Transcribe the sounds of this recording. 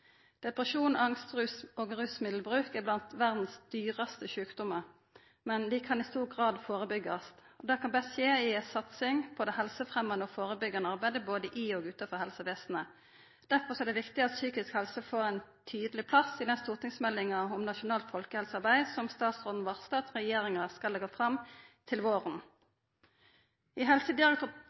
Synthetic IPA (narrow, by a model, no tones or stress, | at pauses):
d̪̥ɛpʁəʃuːnɑŋst̪ʁʉsoːɡʁʉsmɪd̪l̩bʁʉːkɛblɑnt̪ʋæʁd̪n̩sd̪̥yːʁɑst̪əʃʉːkd̪ʊməʁ | mɛnd̪ɪkʰɑnɪst̪uːʁɡʁɑːd̪foːʁəbʏɡːɑs | ɔd̪ɛːkʰɑnbɛsʃeːɪsɑt̪sɪŋpʰɔd̪ɛhɛlsəfʁɛmɑnəɔfoːʁəbʏɡɑnəɑʁbæɪd̪əboːd̪əʔɪoːɡʉːt̪ɑfɔʁhɛlsəʋeːsn̩ə | d̪̥æɾfɔʁsɔæːd̪ɛʋɪkt̪ɪɑt̪syːkɪskhɛlsəfoːɾæɪnt̪ʰyːd̪əlɪpʰlɑsɪd̪ɛst̪uːʁt̪ɪŋsmɛlːɪŋɑɔmnɑʃʊnɑːlt̪fɔlkəhɛlsɑɾʁbæɪsɔmst̪ɑːt̪sʁoːd̪n̩ʋɑʁst̪ɑːt̪sʁɛjeːɾɪŋɑskɑlːɛɡɑfʁɑmt̪ʰɪlʋoːʁən | ɪɦɛlsəd̪ɪʁɛk̚t̪ʉː